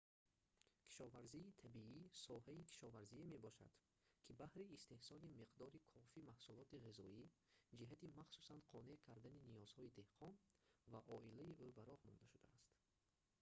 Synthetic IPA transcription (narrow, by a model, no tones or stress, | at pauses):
kʰi̥ʃɔvaɾziːt̪ʰabiisɔhaikʰi̥ʃɔvaɾzieme̞bɔʃa̰d̪̥ | kʰibahɾiːst̪e̞hsɔlimiqd̪ɔɾikʰɔfimahsulɔt̪iʁizɔid͡ʒiɦat̪imaχsu̥sanqʰɔne̞ʔkʰaɾd̪aninijɔz̥hɔid̪e̞hqʰɔnvaʔɔʔilaiʔubaɾɔhmɔ̰nd̪aʃud̪aːst̪